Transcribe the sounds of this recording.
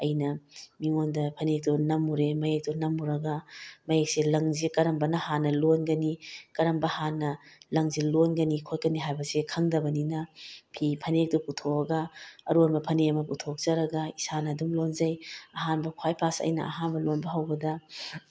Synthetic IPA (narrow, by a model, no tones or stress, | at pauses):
ɐjnɐmiŋondɐpʰɐnek̚tunɐmuɾemɐjek̚tunɐmːuɾɐɡɐmɐjek̚selɐŋzikɐɾɐmbɐnɐhanɐlonɡɐnikɐɾɐmbɐhanɐlɐŋzilonɡɐnikʰot̚kɐniɦajbɐsekʰɐŋdɐbɐninɐpʰipʰɐnek̚tuputʰoɐɡɐːɾonbɐpʰɐneɐmɐputʰok̚zɐɾɐɡɐisanɐːdumlonzɐjɐɦanbɐkʰwajpʰasɐ̰jnɐ̰ɐ̰ɦanbɐlonbɐɦɐwbɐdɐ